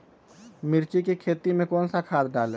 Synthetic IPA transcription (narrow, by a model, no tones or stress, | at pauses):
mɪɾt͡ʃikikʰeːt̪imẽkɔːnsakʰaːt̪̚ɖaːle